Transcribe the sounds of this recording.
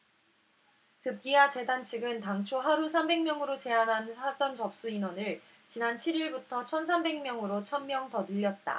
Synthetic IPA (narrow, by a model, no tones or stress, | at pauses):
kɯp̚k͈iat͡ɕe̞dant͡ɕʰiɡɯntaŋt͡ɕʰoɦaɾusʰambe̞ŋmjʌŋɯɾot͡ɕe̞anɦansʰad͡ʑʌnt͡ɕʌp̚s͈uinwʌnɯɭ | t͡ɕinant͡ɕʰiɾiɭbutʰʌt͡ɕʰʌnsʰambe̞ŋmjʌŋɯɾot͡ɕʰʌnmjʌŋtʌnɯʎːʌt̚t͈a̰